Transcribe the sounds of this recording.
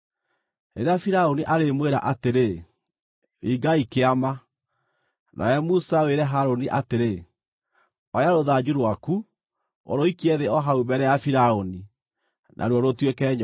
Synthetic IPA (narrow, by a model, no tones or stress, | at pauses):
eɾeafiɾaoniʔaɾemweɾa̰ʔateɾe | iɡaikeama | nʔa̰ɛmusaweɾɛɦaɾoniʔateɾe | ɔjaɾoðad͡ʑuɾwaku | o̰ɾoikiɛðeɔɦaubɛɾɛjafiɾaoni | nʔa̰ɾwɔɾotwekɛɲ